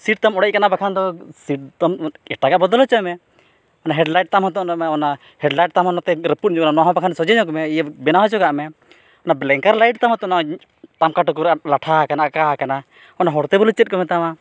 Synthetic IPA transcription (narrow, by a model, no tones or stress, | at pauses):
siʈ̚t̪amɔɽɛc̚kanabakʰand̪ɔsiʈ̚t̪ɔmɛʈaɡaʔbɔd̪ɔlɔt͡ʃɔmɛ | ɔnaɦɛɖlajʈ̚t̪amɦɔt̪̬ɔnɔmɛɔna | hɛɖlajʈ̚t̪amɦɔnɔt̪ɛɾəput̪̚d͡ʒɔknanɔaɦɔ̃bakʰansɔd͡ʒɛɲɔk̬ɔmɛijabɛnaɦɔt͡ʃɔkaʔmɛ | ɔnablɛŋkaɾlajʈ̚t̪amɔt̪ɔna | t̪amkaʈɔkɔɾlaʈʰakanaʔakakana | ɔnaɦɔɽt̪ɛbɔlut͡ʃɛt̪̚kɔmɛt̪ama